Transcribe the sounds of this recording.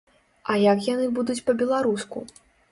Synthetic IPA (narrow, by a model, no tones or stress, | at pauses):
ɐjakjanɨbud̪ut͡sʲpɐbʲɛlˠaɾuskṵ